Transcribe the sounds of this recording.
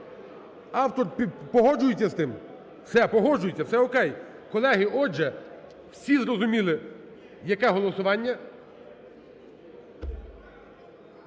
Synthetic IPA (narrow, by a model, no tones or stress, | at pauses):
ɑwt̪ɔrpʲpɔɦɔd͡ʒʊjɪtʲːɐst̪ɪm | sɛpɔɦɔd͡ʒʊjɪtʲːɐwsɛɔkɛj | kɔlˠɛɦɪʔɔd͡ʒɛ | wsʲizrɔzʊmʲilˠɪ | jɐkɛɦɔlˠɔsʊʋɑnʲːɐ